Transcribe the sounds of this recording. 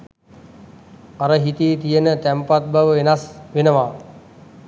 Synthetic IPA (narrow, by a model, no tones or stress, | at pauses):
aɾəɦit̪iːt̪ijənət̪æmpat̪̚baʋəʋenasʋenəʋaː